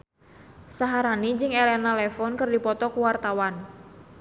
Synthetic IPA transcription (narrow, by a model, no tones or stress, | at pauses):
saɦaɾanid͡ʒɪŋelɛnalɛfɔnkɨrdipɔt̪ɔkuwart̪awan